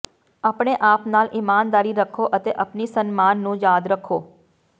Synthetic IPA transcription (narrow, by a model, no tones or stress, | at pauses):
aːpɳ̃eʔaːpnaːlʔimaːnd̪aːɾiɾəkʰoʔət̪eʔapnisənmaːnːũjaːd̪ɾəkʰo